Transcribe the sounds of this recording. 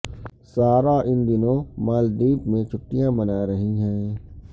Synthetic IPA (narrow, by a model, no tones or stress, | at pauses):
saːɾaʔɪnd̪ɪnõmaːld̪iːpmẽt͡ʃʰʊʈːijãbɐnaːɾɐɦiɦɛ̃ː